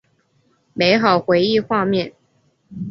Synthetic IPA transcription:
me˧˥ɪxɑ˨˩ʊxwe˧˥ɪi˥˧xwa˥˧mjɛ˥˩n

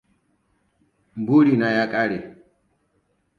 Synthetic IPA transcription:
m˨bu˦ɾi˨na˨ja˦kʼa˦ɾe˨

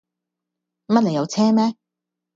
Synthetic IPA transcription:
mɐ˥t̚le˨˩jɐ˨˧wt͡sʰɛː˥mɛː˥

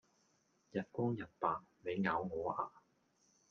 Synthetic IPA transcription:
jɐ˨t̚kʷɔː˥ŋjɐ˨˩t̚paː˨˩nme˨˧jŋaː˨˥wŋɔː˨˥ʔaː˧

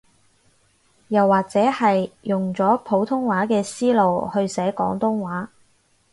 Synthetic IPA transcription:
jɐ˨˩wːaː˨k̚t͡sɛː˨˥hɐ˨jjʊ˨ŋt͡sɔː˨˥pʰo˨˥wt̪ʰʊ˥ŋwaː˨˥kɛː˧siː˥lo˨whɵ˧ɥsɛː˨˥kɔ̰ː˨˥ŋt̪ʊ˥ŋwaː˨˥

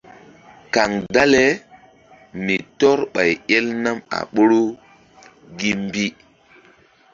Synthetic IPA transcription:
ka˨ŋda˦le˦ | mi˨tɔ˦ɾɓa˨jɛ˦lna˦ma̰˨ɓo˦ɾo˦ | ɡi˦mbi˦

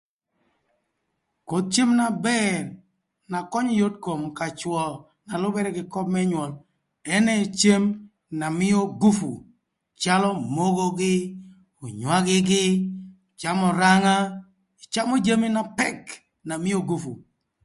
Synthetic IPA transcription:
ko˨t̪̚t͡ʃe˦mna˨bɛ˦˨n | na˨kɔ˦ɲɔ˦jo˦tko˨mka˨t͡ʃwɔ˨ | na˨lʊ˦bɛ˦ɾɛ˦ɡɪ˨kɔ˦b̚mɛ˦ɲwɔ˨l | ɛ˦nɛ˦˨t͡ʃe˦m | na˨mɪ˦jo˦ɡu˦fṵ˨ | t͡ʃa˦lɔ˦mo˦ɡo˦ɡɪ˦ | o˨ɲwa˦ɡɪ˦ɡɪ˦˨ | t͡ʃa˦mɔ˨ɾa˦ŋa˦ | i˨t͡ʃa˦mɔ˦d͡ʒe˦mi˦na˨pɛ˦k | na˨mɪ˦o˦ɡu˦fṵ˨

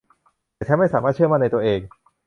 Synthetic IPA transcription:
aː˨˩t͡ɕʰma˥˩saː˩˦maː˥˩t̪̚t͡ɕʰəma˥˩na˧jt̪u˧əʔeː˧ŋ

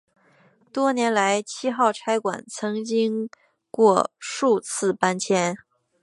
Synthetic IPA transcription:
t̪wɔ˥njɛ˧˥nla˧˥ɪt͡ɕʰi˥xɑ˥˩ʊʈ͡ʂʰa˥ɪkwa̰˨˩nt͡sʰɤ˧˥ŋt͡ɕi˥ŋ | kwɔ˥˧ʂu˥˧t͡sʰɹ̩˥˩pa˥nt͡ɕʰjɛ˥n

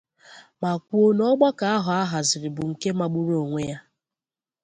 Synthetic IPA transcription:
ma˨kʷu˦o˦nɔ˦ɡ͡bɔ˦ka˨a˦ɦʊ˨a˦ɦa˨zɪ˨ɾɪ˨bʊ˨ŋ̩˨ke˦ma˨ɡ͡bʊ˦ɾo˨ŋʷe˦ja˦

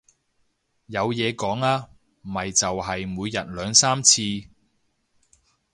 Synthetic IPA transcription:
jɐ˨˧wjɛː˨˧kɔː˨˥ŋaː˧ | m̩˨˩ɐ˨jt͡sɐ˨wɦɐ˨jmuː˨˧jːɐ˨t̚lœː˨˧ŋsaː˥mt͡sʰiː˧

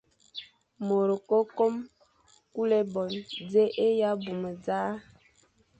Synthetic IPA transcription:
mo˨ɾə˨ko˦ko˦m | ku˦le˦bɔ˨nd͡ze˦ʔe˦ja˦bu˨mə˨d͡zaː˦

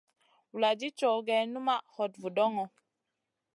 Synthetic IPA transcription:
wu˨la˨d͡ʒi˦t͡ʃɔ˨ɡɛ˨˦nu˦ma˦hɔ˨tvu˨dɔ˦ŋɔ˨

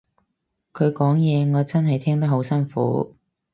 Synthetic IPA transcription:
kʰɵ˨˧ɥkɔː˨˥ŋjɛː˨˧ŋɔː˨˧t͡sɐ˥nɦɐ˨jt̪ʰɛː˥ŋt̪̬ɐ˥k̚ɦo˨˥wsɐ˥nfṵː˨˥

